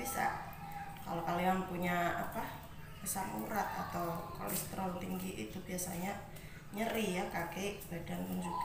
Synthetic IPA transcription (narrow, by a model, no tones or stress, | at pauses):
bisa̰ | ka̰lokaliaŋpuɲaapa | kəsamuɾat̪̚a̰t̪awkɔ̰lɛ̰st̪ɾɔnt̪iŋɡiʔit̪ubiasa̰ɲa | ɲəɾijakakeb̥adanpund͡ʒuɡa